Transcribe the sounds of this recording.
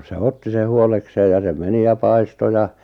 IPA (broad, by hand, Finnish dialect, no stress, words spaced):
seh otːi se huolekseːj jɑ se meni jɑ pɑisto jɑ